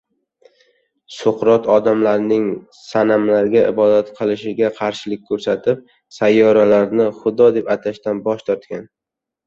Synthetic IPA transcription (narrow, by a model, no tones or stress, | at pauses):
sʊqɾɒt̪ʰɒd̪amlaɾnɪŋ | sanamlaɾɡʲaɪbɒd̪at̪qʰɨlˠɪʃɪɡʲaqʰɑɾʃɪlɪk̚ʲkʰːɵɾsat̪ʰɪp̚ | sajːɒɾalaɾnɪχʊd̪ɒd̪e̞pat̪ʰaʃt̪anbɒʃt̪ʰɒɾt̪kʲan